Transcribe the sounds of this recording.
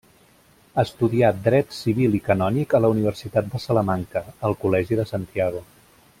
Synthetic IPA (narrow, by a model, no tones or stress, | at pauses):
ast̪uðiad̪ɾɛt̪siβ̞ilikənɔnikələuniβ̞ərsit̪at̪̚d̪əsələmaŋkəəlˠkulɛʒiðəsant̪iaɣ̞u